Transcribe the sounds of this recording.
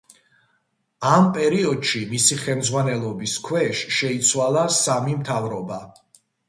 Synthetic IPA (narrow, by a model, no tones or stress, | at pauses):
ampʼɛɾiɔd̪̥ʃimisiχɛlmd̪zʁwanɛlˠɔbiskʰwɛʃʃɛit̪sʰwalˠasamimt̪ʰavɾɔba